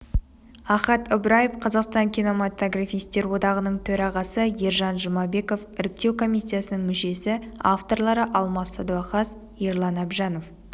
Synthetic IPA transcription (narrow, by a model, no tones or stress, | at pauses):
ɑχɑt̪ɪbɾɑjefqʰɑzɑqst̪ɑŋkʲʰino̞mat̪oɡrafijst̪e̞ɾwo̞d̪ɑʁənəɴt̪ʰɵɾɑʁɑsəjeɾʒɑnʒəmɑbe̞ko̞fɪɾɪk̚t̪e̞wkʰo̞mijsʲːijasənəɴmʏʃe̞sɪa̰ft̪o̞rlˠɑɾəʔɑlˠmɑsːɑd̪uɑqɑs | jeɾlˠɑnɑbʒɑno̞f